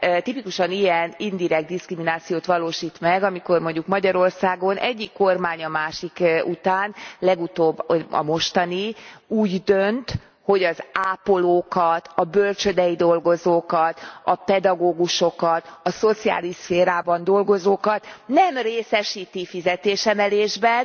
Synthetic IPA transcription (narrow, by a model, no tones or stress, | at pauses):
t̪ipikuʃɒnijɛnind̪iɾɛɡ̚d̪iskriminaːt̪sijoːt̪ʋɒloːʃiːt̪mɛɡɒmiko̞rmo̞ɲɟukmɒɟɒɾo̞rsaːɡo̞nʔɛ̰ɟːikːo̞rmaːɲɒmaːʃikut̪aːnlɛɡut̪oːbːoɒ̰mo̞ʃt̪ɒniuːɟd̪ø̞nt̪ | ho̞ɟɒzaːpo̞loːkɒt̪ɒbø̞lt͡ʃø̞d̪ɛjid̪o̞lɡo̞zoːkɒt̪ɒpɛd̪ɒɡoːɡuʃo̞kɒt̪ɒso̞t̪sia̰ːliʃsfeːɾaːbɒnd̪o̞lɡo̞zoːkɒt̪nɛmreːsɛʃiːt̪ifizɛt̪eːʃɛmɛleːʒbɛn